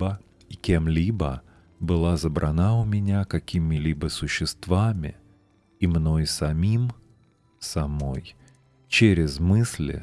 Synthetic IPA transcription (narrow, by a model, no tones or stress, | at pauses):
ə | ikʲemlʲibə | bɨlˠazəbɾʔɐnaʊmʲɪnʲakɐkʲimʲɪlʲibəsʊɕːɪst̪vamʲɪ̰ | imno̞jsɐmʲim | sɐmo̞j | t͡ɕeɾʲɪzmɨsʲlʲɪ̰